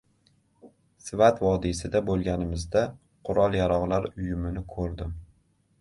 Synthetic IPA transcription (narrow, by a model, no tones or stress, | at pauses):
sɪvat̪vɒd̪ɪsɪd̪abolˠɡʲanɪmɪzd̪a | qʰʊɾɒlˠjaɾɒʁlaɾʊjʊmɪnɪkʰɵɾd̪ɪm